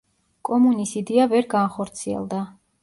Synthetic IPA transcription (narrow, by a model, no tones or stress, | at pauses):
kʼɔmunisid̪iavɛɾɡaχɔɾt̪sʰiɛ̰lˠd̪a